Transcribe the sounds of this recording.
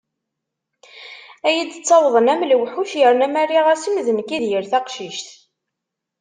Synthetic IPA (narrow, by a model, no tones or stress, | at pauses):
æjid̪t͡sːɑwðˤənæmlwħuʃjəɾnæmæɾiʁæsimðənkːiðjəɾθæqʃiʃt̪